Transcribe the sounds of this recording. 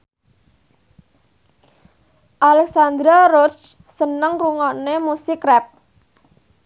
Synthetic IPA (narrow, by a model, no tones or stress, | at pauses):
ʔalɛksand̪ɾaɾʊt͡ʃ | sənəŋruŋɔnemusɪkrɛp̚